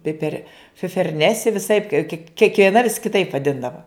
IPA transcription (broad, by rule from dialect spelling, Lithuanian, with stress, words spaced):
ˈpʲɪpʲɛr fʲɪfʲɛrʲˈnʲæːsʲɪ ʋʲɪˈsɐɪp kʲiɛ kʲiɛkʋʲiɛˈnɐ ʋʲɪs kʲɪˈtɐɪp ʋɐˈdʲɪndɐʋɐ